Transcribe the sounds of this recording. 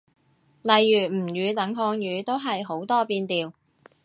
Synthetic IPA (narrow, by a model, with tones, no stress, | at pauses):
lɐ˨jːyː˨˩m̩˨˩jyː˨˧t̪ɐ˨˥ŋɦɔː˧ŋjyː˨˧t̪o˥wɦɐ˨jɦo˨˥wt̪ɔː˥piː˧nt̪iː˨w